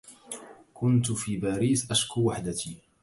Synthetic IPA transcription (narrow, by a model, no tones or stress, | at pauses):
kʊnt̪fiːbaːɾiːsʔaʃkuwaħd̪at̪iː